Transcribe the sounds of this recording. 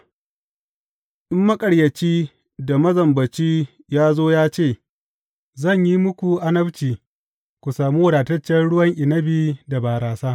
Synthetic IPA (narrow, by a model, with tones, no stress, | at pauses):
ʔɪ˦mːɐ˦kʼɐ˨ɽjɐ˨t͡ʃiː˦ | da˨mɐ˦zɐ˨mbɐ˨t͡ʃiː˦ | jaː˦zoː˦jaː˦t͡ʃeː˦˨ | zɐ˦˨ɲji˦mʊ˦kʷu˨ʔa˦nɐ˦bt͡ʃiː˨ | kʷu˨saː˨muː˦wʊ˦daː˨tɐ˦t͡ʃːɐ˦nɽʊ˦wɐ˦ŋʔɪ˨nɐ˦biː˦da˨baː˨ɾaː˨saː˦